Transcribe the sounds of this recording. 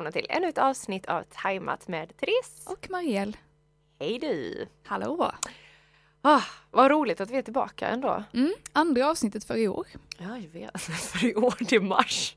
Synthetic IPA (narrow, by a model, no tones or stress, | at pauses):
mnat̪ʰɪlʔɛ̰nːʉt̪ɑːvsnɪt̪ʰːa̰vt̪ʰajma̰t̪mɛd̪t̪ʰɾeːsʔɔkmaɾɪɛlː | hɛjd̪ʉhaloː | ɑhvaɾuːlɪt̪at̪vɪhɛt̪ʰɪlbɑ̰ːka̰ɛ̰nd̪o̰ːm̩ːand̪ɾaɑːvsnɪt̪ːət̪fœɾɪo̰ːɾjɑːjɑveːt̪fœɾɪoːʈɪma̰ʂ